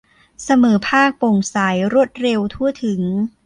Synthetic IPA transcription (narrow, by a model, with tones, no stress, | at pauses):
sa˧mɤː˩˦pʰaː˥˩k̚po˨˩ŋsa˩˦jɾu˥˩ət̪̚ɾe˧wt̪ʰu˥˩ət̪ʰɯ˨˩˦ŋ